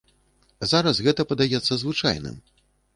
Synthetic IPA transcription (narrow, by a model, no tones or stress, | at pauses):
zaɾɐsɣɛt̪ɐpɐd̪ajɛt̪sːɐzvɨt͡ʂa̰jnɨ̰m